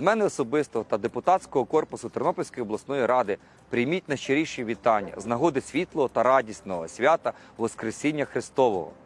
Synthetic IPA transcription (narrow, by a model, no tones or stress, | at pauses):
zmɛnɪɔsɔbɪst̪ɔɦɔt̪ɐd̪epʊt̪ɑtt͡sʲkɔɦɔkɔrpʊsʊt̪ɔrnɔpɔlʲsʲkɔjɔblˠɐsnɔjiɾɑd̪ɪ | pɾʲɪjmʲit̚ʲnɐʃt͡ʃeɾʲiʃiʋʲit̪ɑnʲːɐ̰znɐɦɔd̪ɪsʲʋʲit̪lˠɔɦɔt̪ɐɾɑdʲisʲt̪ʲnɔɦɔsʲʋʲat̪ɐ | ʋɔskɾesʲinʲːɐxɾɪst̪ɔʋɔ̰ɦɔ̰